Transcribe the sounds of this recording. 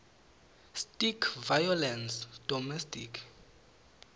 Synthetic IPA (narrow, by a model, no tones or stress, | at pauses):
stʼikʰvajɔlɛnsd̥ɔmɛstʼikʰ